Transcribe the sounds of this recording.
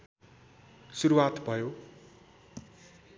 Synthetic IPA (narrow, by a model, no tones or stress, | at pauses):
suɾuwat̪bʱʌjo